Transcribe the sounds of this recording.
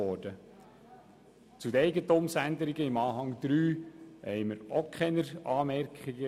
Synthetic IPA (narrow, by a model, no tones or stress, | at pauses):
ɔːd̥ə | t͡sud̪əɛɪɡətomsænd̪əɾiɡəɪmɑːɦɑŋd̪̥ɾyːhɛ̰ɪməɾokʰχɛnəɾɑːmɛɾkχiɡə